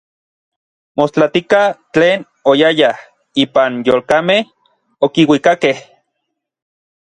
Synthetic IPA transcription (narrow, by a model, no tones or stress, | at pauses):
most͡ɬat̪ikat͡ɬeːn | ojajah | iːpanjoːlkameh | okiwikakeh